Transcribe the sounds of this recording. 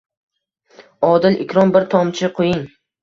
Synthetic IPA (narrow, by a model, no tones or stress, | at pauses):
ɒd̪ɪlʔɪkʲʰɾɒmbɪɾt̪ʰɒmt͡ʃʰɪqʰojɪŋ